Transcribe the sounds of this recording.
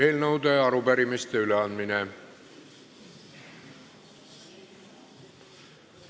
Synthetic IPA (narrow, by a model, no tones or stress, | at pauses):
eilnɤwt̪eːɑɾupæɾimist̪eyleɑnd̪mine